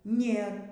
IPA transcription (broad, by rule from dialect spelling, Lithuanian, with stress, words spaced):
ˈnʲeːr